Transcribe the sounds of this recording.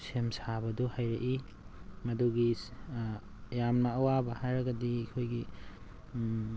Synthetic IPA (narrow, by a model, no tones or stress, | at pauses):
semsabɐduhajɾɐʔi | mɐduɡi | jamnɐːwabɐhajɾɐɡɐdikʰojɡi